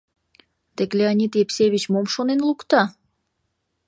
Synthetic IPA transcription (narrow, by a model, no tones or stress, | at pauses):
d̪̥eklʲeanʲit̪jepsʲeβʲit͡ɕmomʃonenlukt̪ɑ